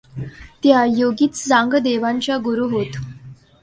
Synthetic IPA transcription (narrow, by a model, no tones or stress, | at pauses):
t̪jajoɡiːt͡sd͡zãŋɡd̪eʋaɲt͡ɕjaɡuɾuːɦot̪